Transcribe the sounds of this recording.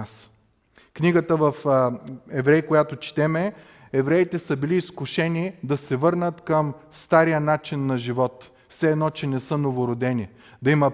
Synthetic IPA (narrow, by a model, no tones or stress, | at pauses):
s | kniɡət̪əvɐf | ɛvɾɛjkojat̪ot͡ʃi̥t̪ɛmɛ | ɛvɾɛit̪ɛsəbiliːskʊʃɛnid̪ɐsɛvɤɾnət̪kəmst̪aɾijənat͡ʃinːɐʒivɔt̪ | fsɛːd̪nɔt͡ʃɛnɛsɤnovoɾod̪ɛni | d̪ɐimɐ